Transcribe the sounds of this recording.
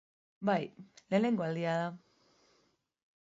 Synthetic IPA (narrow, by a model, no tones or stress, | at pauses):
bajle̞ːne̞ŋɡo̞ald̪iað̞a